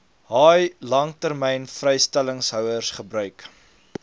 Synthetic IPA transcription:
ɦɑːjlɐŋtərmɛjnfrɛjstæləŋsɦœwərsχəbɾœɥk

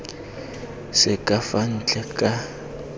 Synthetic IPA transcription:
sɪkʼafan̩t͡ɬʼɛkʼa

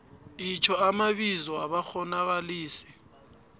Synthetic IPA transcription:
it͡ʃʰɔamaɓizɔaɓaxɔnak̬aliːsi̥

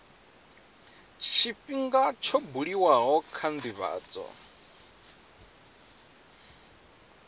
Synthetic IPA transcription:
t͡ʃʰifiŋɡat͡ʃʰobuɺiwaɦɔkʰand̪iβa̰ːt͡sʼɔ̰

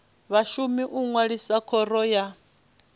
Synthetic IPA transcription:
βaʃumiʔuŋwaɺisakʰɔrɔja

